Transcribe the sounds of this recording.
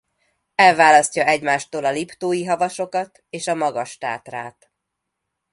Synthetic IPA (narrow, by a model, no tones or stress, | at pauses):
ɛlvaːlɒscɒɛɟmaːʃt̪oːlɒlipt̪oːjiɦɒvɒʃo̞kɒt̪ | eːʃɒmɒɡɒʃt̪a̰ːt̪raːt̪